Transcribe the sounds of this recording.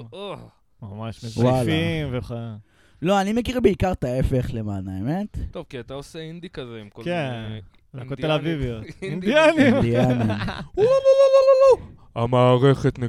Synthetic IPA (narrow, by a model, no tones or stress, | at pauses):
o | mamaʃmezwalfimveχe | lo̞anime̞kiʁebeikaʁt̪aefeχlemanaemet̪t̪ːovkiat̪aoseind̪ikazeimkoke | akot̪elavivjoind̪ianid̪ianimlolololololo | amaːʁeχet̪ne